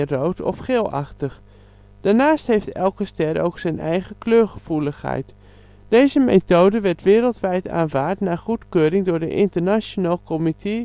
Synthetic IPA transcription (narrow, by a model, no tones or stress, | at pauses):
rowtʰɔ̰fχeːlˠa̰χtəχ | d̥aːɹnaːsthejftɛlˠkəstɛro̰wksɛjnɛ̰jχəkløːɹχəv̥uləxhɛ̰jt | d̥ejzəmḛtowdəʋɛɹtʋɪːɾəlˠtʋɛjta̰ːnvaːɹtnaːχutkøːɾɪŋdʊːɹdə̰ʔɪntəɹnat͡ʃonaːlˠkɔmitʰe